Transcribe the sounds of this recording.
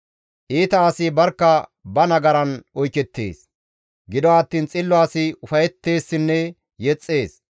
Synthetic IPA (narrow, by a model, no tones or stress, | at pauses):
ʔiːt̪ɐːsɪbɐɾkːɐbɐnɐɡɐɾɐnɔjkɛt̪ːḛːs | ɡɪd̪ɔwaːt̪ːiːnt͡sʼɪlːɔaːsɪʊfɐjɛt̪ːe̞ːsːɪnːɛ | jɛt͡sʼːe̞ːs